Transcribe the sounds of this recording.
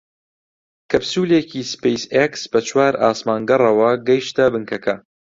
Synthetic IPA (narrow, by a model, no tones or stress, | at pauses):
kʰɐbsuːlecʰiːspejseksb̥ɐt͡ʃʰwaːɾaːsmaːŋɡɐrˤɐwɐɡɐjʃt̪ɐbɨŋkʰɐkʰɐ